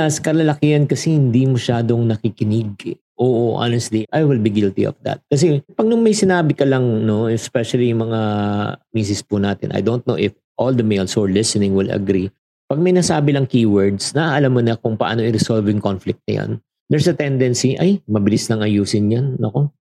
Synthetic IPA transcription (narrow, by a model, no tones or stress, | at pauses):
skɐlɐlɐkɪɐnkɐsɛhɪnd̪imɐʃaːd̪o̞ŋnɐkikɪnɪɡ̚ɛ | ʔoːʔoʔa̰nɛst̪liʔajwɪlbiɡɪlt̪ḭʔo̰fd̪ɐ̰t̪̚kɐs̬ɛpɐɡ̚nʊŋmɐjsɪnaːbɪkɐlɐŋno̞ɛspɛʃɐlijʊŋmɐŋamiːs̬ɪspunaːt̪ɪ̰nʔɐ̰jd̪ownt̪̚nowʔɪf | ʔold̪ɐmejlsɔɹlɪsɛnɪ̃ŋwɪlɐ̰ɡɾi | pɐɡ̚mɐjnɐsaːbɪlɐŋkiːwɛɹd̪snɐʔaʔɐlamːonɐkʊŋpɐʔa̰ːno̞ʔɪɾɪɛsolvɪŋkonflɪk̚t̪̚nɐ̰jo̰n | d̪ɛɹsɐt̪ɛnd̪ɛnsiʔɐjmɐbɪlislɐŋɐjuːsɪnjanːɐko̞